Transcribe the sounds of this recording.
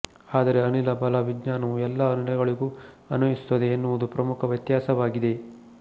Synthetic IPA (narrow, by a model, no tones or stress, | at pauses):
aːd̪ɐɾe̞ɐnilɐbɐlɐʋiɡɲaːnɐʋuɛlːɐɐnilɐɡɐɭiɡuː | ɐnɐisu̥t̪ːɐd̪eːnːuʋud̪upɾɐmukʰɐʋjɐt̪jaːsɐʋaːɡid̪e̞